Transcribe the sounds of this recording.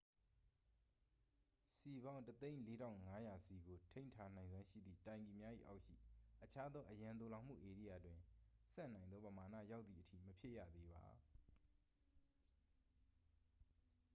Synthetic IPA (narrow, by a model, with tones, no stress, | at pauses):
si˨βã˦ʊ̃ntət̪ẽ˦ɪ̃le˦ɾã̰˦˨ʊ̃ŋa˦ja˨si˨ɡo˨tʰẽ˦ɪ̃ntʰa˦˨n̥ã˨ɪ̃nzwã˦ʃḭ˦˨d̪ðḭ˦˨tã˨ɪ̃ŋɡi˨mja˦ʔḭ˦˨ʔa˦ʊʔʃḭ˦˨ʔət͡ɕʰa˦d̪ɔ˦ʔəjã˨nt̪o˨lã˨ʊm̥ṵ˦˨ʔe˨ɾḭ˦˨ja˨twɪ̃˨sɛ̰˦˨nã˨ɪ̃nd̪ðɔ˦pəma˨nä̰˦˨ja˦ʊt̪ðḭ˨ətʰḭ˦˨məpʰjɪ˦ʔja̰˦˨d̪e˦ba̰˨